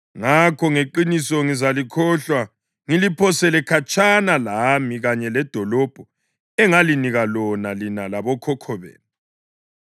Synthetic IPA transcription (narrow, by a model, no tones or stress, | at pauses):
ŋakʰɔŋeǃinisɔŋizalikʰɔɬwa | ŋilipʰɔsɛlɛkʰat͡ʃʰʼanalamiɣaɲɛlɛd̥ʱɔlɔb̥ʱɔ | ɛŋaliniɣalɔnalinalaβɔkʰɔkʰɔβḛːni